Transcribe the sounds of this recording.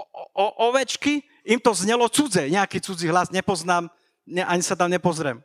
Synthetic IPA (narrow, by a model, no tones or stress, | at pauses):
ʔɔʔɔʋɛt͡ʃki | imt̪ɔzɲɛlɔt͡sud͡zɛɲɛakiːt͡sud͡ziɦlazɲɛpɔznaːm | ɲɛʔaɲisat̪amɲɛpɔzɾɛm